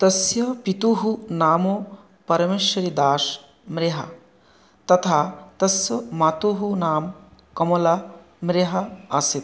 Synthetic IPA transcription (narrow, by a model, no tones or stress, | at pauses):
t̪ɐsjɐpit̪uɦunaːmo | pɐɾɐmeːʃwɐɾid̪aːʃ | mɾeɦɐ̰ | t̪ɐt̪ʰaːt̪ɐsjɐmaːt̪uɦunaːmkɐmɐlɐ | mɾeɦɐasit̪